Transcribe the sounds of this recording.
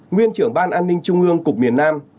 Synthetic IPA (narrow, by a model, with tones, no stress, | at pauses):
ŋwi˧ənt͡ɕɨ˧˩əŋɓaː˧nʔaː˧nːï˧ŋ̟t͡ɕʊ˧ŋ͡mʔɨ˧əŋkʊ˨˩k͡p̚mi˨˩ənːaː˧m